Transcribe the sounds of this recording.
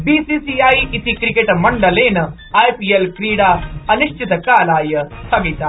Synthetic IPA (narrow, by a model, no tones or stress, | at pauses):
biːsiːsiːaːiʔit̪ikɾikeʈmɐɳɖɐleːnɐ | aːjpiːelkɾiːɽaːɐniʃt͡ʃit̪ɐkaːlaːjɐt̪ʰɐɡit̪aː